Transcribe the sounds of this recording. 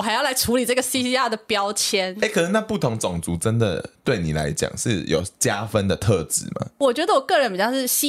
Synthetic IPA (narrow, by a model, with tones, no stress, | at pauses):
xa˧˥ɪjɑ˥˩la˧˥ɪʈ͡ʂʰu˧˥li˨˩ʈ͡ʂɤ˥˩ɡə˩si˥ɕi˥a˥˩d̪ə˨˩pjɑ˥ʊt͡ɕʰjɛ˥ne˥˦kʰnə˥˩na˥˧pu˥˩t̪ʰʊ˧˦ŋt͡sʊ˨˩ŋt͡su˨˥ʈ͡ʂə˦nd̪ə̰˨t̪we˥˩ɪni˨˩la̰˧˦ɪt͡ɕja̰˨˩ŋʂɻ̩˥˩jo̰˨˩ʊt͡ɕja˦fə˦nd̪ə˨t̪ʰɤ˥˧ʈ͡ʂɻ̩˧˥mɐ̰˨˩wɔ˨˩t͡ɕɥɛ˧˥d̪ə˧wɔ˨˩kɤ˥˩ɻə˦npi˨˩jʂ̩˥˩ɕi˥